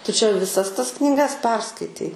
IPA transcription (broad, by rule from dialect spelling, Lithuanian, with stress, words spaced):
tʊ t͡ʃʲɛ ʋʲɪˈsɐs ˈtɐs knʲiːˈɡɐs ˈpʲɛrskɐɪtʲɛɪ